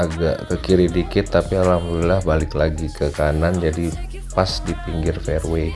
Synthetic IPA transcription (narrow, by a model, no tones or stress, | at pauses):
aɡa̰ʔkəkiɾidikɪt̪ːapialamlilahbalɪklaɡikəkanand͡ʒadi | pasdipiŋɡɪrfɛrwe